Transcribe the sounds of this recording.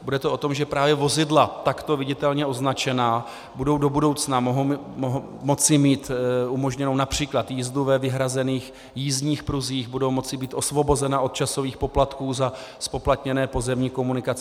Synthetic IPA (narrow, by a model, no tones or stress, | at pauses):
budɛt̪oʔo̞t̪omʒɛpɾaːvjɛvo̞zɪdlat̪akt̪o̞vɪɟɪt̪ɛlɲɛʔo̞znat͡ʃɛnaː | budo̞wdo̞budo̞wt͡snamoɦo | ɦ | mːo̞t͡sɪmiːt̪umo̞ʒɲɛnownapr̝̥iːklat̪jiːzduvɛvɪɦɾazɛniːx | jiːzɲiːxpɾuziːxbudo̞wmo̞t͡sɪbiːt̪ʔo̞svo̞bo̞zɛnaʔo̞t̪̚t͡ʃaso̞viːxpo̞plat̪kuːzaspo̞plat̪ɲɛnɛːpo̞zɛmɲiːko̞munɪkat͡sɪ